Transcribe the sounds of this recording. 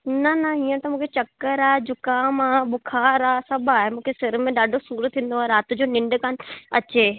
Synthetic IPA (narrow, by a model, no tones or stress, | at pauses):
nɐnɐɦiːə̃t̪ɐmũːkʰet͡ɕɐkːəɾaːɦed͡ʑʊkaːmaːɓʊkʰaːɾaːsɐbaːɦemũːkʰesɪɾmẽɗaːɖʱosuːɾt̪ʰːĩːn̆d̪oaːeɾaːt̪ʊd͡ʑoːnɪ̃ɳɖkaːn̆ɐ̰t͡ɕeː